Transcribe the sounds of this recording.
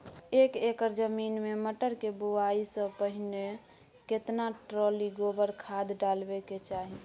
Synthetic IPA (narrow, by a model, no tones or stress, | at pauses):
ekekəɾd͡ʒəminmeməʈəɾkebuaisə̃pəɦine | ket̪naʈɾoliɡobəɾkʰad̪ɖalbeket͡ʃaɦi